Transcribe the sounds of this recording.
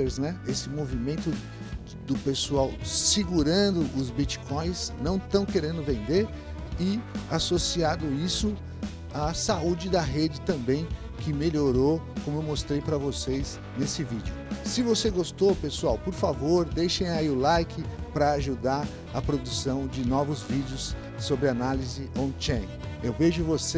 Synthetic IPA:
eɾznɛesɪmovimẽnt̪ʊ | d̪ʊpesuawsiɡuɾɐ̃nd̪ʊʔʊzbit͡ʃi̥kʰõj̃snɐ̃w̃t̪ɐ̃w̃keɾẽnd̪ʊvẽnd̪eɾ | ɪasosiad̪ʊisʊ | asaud͡ʒɪd̪ɐɦed͡ʒɪt̪ɐ̃mbẽj̃ | kɪmeʎoɾokõmʊewmost̪ɾejpɾɐvosejs | nesɪvid͡ʒɪʊsɪvoseɡost̪opesuawpoɾfavoɾd̪ejʃẽj̃aiʊlajkʰɪpɾɐaʒud̪aɾ | ɐpɾod̪usɐ̃w̃d͡ʒɪnɔvʊzvid͡ʒɪʊs | sobɾɪanalizɪõt͡ʃɛ̃ | ewveʒʊvose

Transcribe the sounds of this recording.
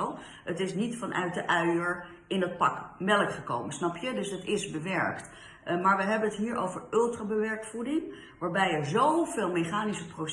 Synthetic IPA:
ow | ətɪsnitfɑnʔœ̰ɥt̚dəʔœɥəɹ | ɪnət̚pɑkmɛlˠəkχəko̰wmənsnɑpjədɵsətɪzbəʋɛɹkt | maːɹʋəɦɛbənətɦiːɹʔo̰wvəɹɵlˠtraːbəʋɛɹkfudɪŋ | ʋaːɹbɛjɛɹzownveːlˠmeχaːnisəpro

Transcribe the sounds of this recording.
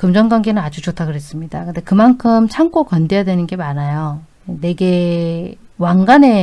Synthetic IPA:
kɯmd͡ʑʌŋɡwaŋɡe̞nɯnad͡ʑut͡ɕotʰaɡɯɾɦe̞s͈ɯmɲidakɯnde̞kɯmankʰɯmt͡ɕʰaŋk͈okʌnde̞jadwe̞nɯnɡe̞manajo | ene̞ɡe̞ | waŋɡane̞

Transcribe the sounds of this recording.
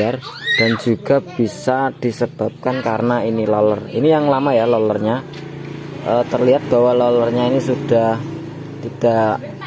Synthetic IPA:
ard̥and͡ʒuɡ̥a̤b̥isad̥isəb̥a̤p̚kankaɾənainilɔlərḭnijaŋlamajalɔlərɲa | ʔəːt̪ərliɦat̪̚b̥awalɔlərɲainisud̥ah | t̪id̥a̤ʔʔʔ

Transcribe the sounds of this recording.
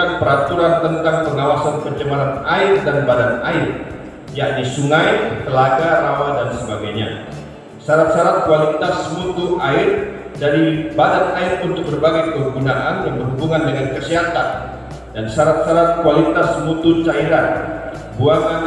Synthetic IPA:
anpəɾat̪uɾant̪ənt̪aŋpəŋawasanpəd͡ʒəmaɾanaɪrdanbadanaɪr | jaʔdisuŋajt̪əlaɡaɾawadansəbaɡajɲa̰ | saɾat̪̚saɾat̪̚kualit̪asmut̪ʊaɪr | daɾibadanaɪrunt̪ʊk̚bərbaɡajkəɦuɡunaʔandanbərɦubuŋandəŋankəsiɦat̪an | dansaɾat̪̚saɾat̪̚kualit̪asmut̪ʊt͡ʃaiɾan | buaŋan

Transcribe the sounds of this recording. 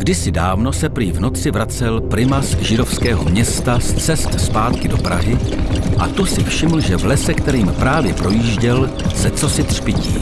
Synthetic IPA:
ɡdɪsɪdaːvno̞sɛpɾiːvno̞t͡sɪvɾat͡sɛlpɾɪmasʒɪdo̞fskɛːɦo̞mɲɛst̪ast͡sɛst̪spaːt̪kɪdo̞pɾa̰ɦɪʔat̪usɪfʃɪml̩ʒɛvlɛsɛkt̪ɛɾiːmpɾaːvjɛpɾo̞jiːʒɟɛl | sɛt͡so̞sɪt̪r̥pɪciː

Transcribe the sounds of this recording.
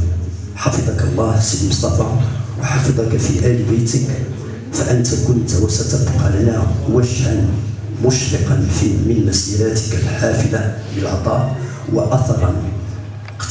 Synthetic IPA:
ħɑfɨd̪ˤɑkɑlˤːɑːhsəjmsˤɑfɑwɑħɑfɨd̪ˤɑkafiʔæːlbajt̪ək | fæʔənt̪akʊnt̪wasat̪abqɑlanwæd͡ʒhan | mʊʃɾɪqɑnfimɪnmæsilat̪ə̥kælħaːfɪlaləlʕɑ̰t̪ˤɑːʔ | waʔɑθɑɾˤɑn

